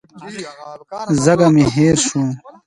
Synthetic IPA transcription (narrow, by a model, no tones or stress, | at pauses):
zɐɡɐmiɦeːɾɕũː